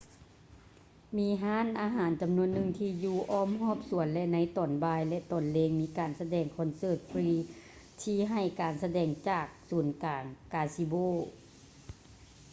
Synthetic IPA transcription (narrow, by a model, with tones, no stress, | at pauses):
miː˧˥ɦaː˧˥˨nʔaː˨˧ɦaː˨˩˦nt͡ɕa˨˩mnu˧ənːɯ˧ŋt̪ʰiː˧juː˧˩ʔɔː˧˥˩mhɔː˧˥˩p̚su˩˦ənlɛ˧na˧˥jt̪ɔː˨˩nbaː˧jlɛ˧t̪ɔː˨˩nleː˧ŋmiː˧˥kaː˨˩nsa˧dɛː˨˧ŋkʰɔ˧˥nsɤː˧˩t̪̚fʰɾiː˧ | t̪ʰiː˧ɦa˧˨˩jkaː˨˩nsa˧dɛː˧˩ŋt͡ɕaː˨˩k̚suː˨˩˦nkaː˨˩ŋkaː˧si˧boː˧˥˩